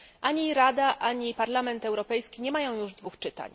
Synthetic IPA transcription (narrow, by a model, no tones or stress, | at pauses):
ʔaɲiɾad̪aʔaɲipaɾlamɛnt̪ɛwɾɔpɛjskʲiɲɛmajɔ̃w̃juʐd̪vuxt͡ʂɘt̪a̰ɲ